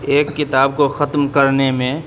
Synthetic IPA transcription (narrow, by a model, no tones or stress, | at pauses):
eːkːɪt̪aːb̚koxət̪mkəɾnemẽ